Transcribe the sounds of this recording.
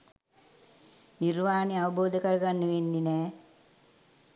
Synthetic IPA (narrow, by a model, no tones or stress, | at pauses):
nirmaːneaʋɐboːd̪əkəɾɐɡanːəʋenːinɛː